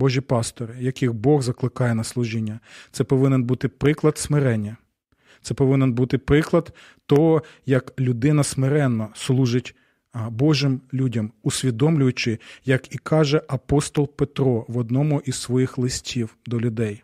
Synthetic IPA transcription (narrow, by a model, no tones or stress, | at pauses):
bɔʒʲipɑst̪ɔɾɪjɐkɪxbɔɣzɐklˠɪkɑjɛnɐslˠʊʒinʲːɐt̪sɛpɔʋɪnɛnbut̪ɪpɾɪklˠɐd̪smɪɾɛnʲːɐ | t̪sɛpɔʋɪnɛnbut̪ɪpɾɪklˠɐd̪ | t̪ɔɦɔjɐklʲʊd̪ɪnɐsmɪɾɛnːɔslˠuʒɪtʲ | bɔʒɪmlʲudʲɐmʊsʲʋʲid̪ɔmlʲʊjʊt͡ʃɪjɐkikʰɑʒɛʔɐpɔst̪ɔlˠpet̪ɾɔʋɔd̪nɔmʊʔizsʋɔjixlˠɪsʲtʲʰiwd̪ɔlʲʊd̪ɛj